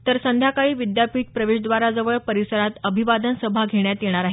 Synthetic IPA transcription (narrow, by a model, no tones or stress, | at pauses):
t̪əɾsənd̪ʱjakaɭiːʋid̪japiːʈ̪̚pɾəʋeʂd̪ʋaɾad͡zəʋəɭpəɾisəɾat̪əbʱiʋad̪ənsəbʱaɡʱeɳjat̪jeɽ̃aɾaɦe